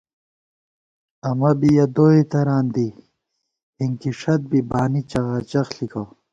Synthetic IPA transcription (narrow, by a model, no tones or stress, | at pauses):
ɐmɐbijɐd̪oːit̪ɐɾaːnd̪i | iŋkiʂɐt̪̚bibaːnit͡ɕɐɣaːt͡ɕɐxlikɐw